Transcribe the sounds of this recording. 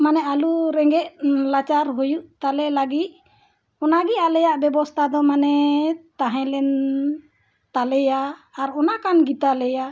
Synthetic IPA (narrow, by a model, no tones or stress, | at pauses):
manɛʔaluɾɛŋɡɛʔ̚lat͡ʃaɾɦujuʔt̪alɛlaɡit̪̚ | ɔnaɡɛalɛjaʔbɛbɔst̪ʰad̪ɔmanɛt̪aɦɛ̃lɛn | t̪alɛjaːɾɔnakanɡit̪alɛja